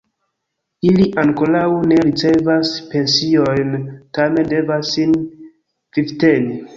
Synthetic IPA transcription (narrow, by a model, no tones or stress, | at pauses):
iliʔaŋkolawne̞ɾit͡se̞vaspe̞nsio̞jntame̞nde̞vasːin | v̥ivteni